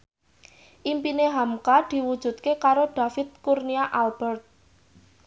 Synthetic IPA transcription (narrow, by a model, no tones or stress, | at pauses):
ʔimpineɦamkad̪̥i̤wud̥ʒ̥ṳt̪̚kekaɾoɖ̥a̤fɪt̪̚kurniaʔalb̥ərt̪̚